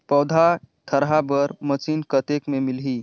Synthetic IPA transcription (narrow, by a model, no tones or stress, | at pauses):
pəwd̪ʱat̪ʰəɾɦabəɾmət͡ʃinkət̪ekmemilɦi